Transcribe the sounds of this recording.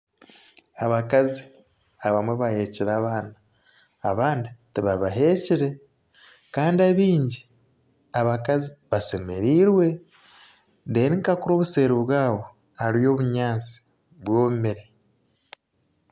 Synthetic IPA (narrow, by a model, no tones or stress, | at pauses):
aβakazi | aβamwe̞βahe̞ciɾaːβaːnaː | βaːnditiβaβaɦe̞ciɾe̞ | kaːndiaβiːɲɟi | aβakaziβase̞me̞ɾiːɾwe̞ | ndeniŋkakuɾo̞ːβuse̞ːɾiβwaːβo̞ | haɾijo̞ːβuɲaːt͡si̥ | βwoːumeɾe